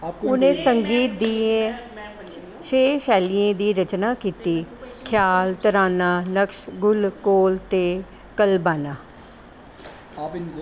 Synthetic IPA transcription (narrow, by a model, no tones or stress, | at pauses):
ʊnẽːsəŋɡiːt̪̚d̪iːe | ʃʰeːʃɛːlijẽːd̪iːɾət͡ʃnaːkiːt̪iːkʰjaːlt̪əɾaːnaːnəkʃɡʊlkoːlt̪eː | kəlbaːnaː